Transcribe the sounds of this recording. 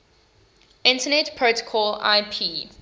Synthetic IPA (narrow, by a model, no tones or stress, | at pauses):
ʔɪ̃ntənɛtpʰɹotə̥kʰɔla̰ɪpʰiː